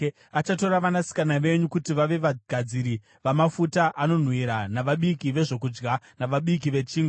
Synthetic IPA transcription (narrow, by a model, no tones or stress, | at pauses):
at͡ʃato̞ɾaʋanasi̥kanaʋe̞ɲukutiʋaʋe̞ʋaɡ̥ʱad͡ziɾi | ʋamafutaʔano̞n̤wiɾanaʋaɓikiʋe̞ʐo̞kud͡ʒɡa | naʋaɓik̬iʋe̞t͡ʃiːŋɡo